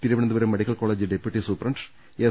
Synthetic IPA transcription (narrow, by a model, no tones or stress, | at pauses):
t̪iɾɐʋɐɳɐnd̪ɨʋɐɾumːeɽikːɐlkoːɭed͡ʑɨɖepːjuʈːisuːpɐrɐɳɖ | e